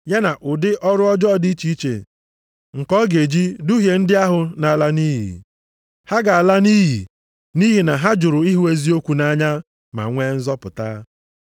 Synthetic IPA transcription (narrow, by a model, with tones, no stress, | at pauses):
ja˦na˨ʔʊ˨dɪ˦ʔɔ˦ɾʊ˦ɔ˦d͡ʒɔ˦˨di˦t͡ʃi˦t͡ʃḛ˨ | ŋ̩˨kɔ˦ɡe˨d͡ʒi˦du˦ɦje˨n̩˦dɪ˦a˦ɦʊ˨na˨a˨la˦ni˦ɦḭ˨ | ha˦ɡa˨a˨la˦niː˦ɦi˨ | ni˦ɦi˨na˨ɦa˦d͡ʒʊ˨ɾʊ˨i˦ɦu˨e˦zi˦o˦kʷu˨na˦˨ɲa˦ | ma̰˨ŋʷe˦n̩˦zɔ˦pʊ̰˨ta̰˦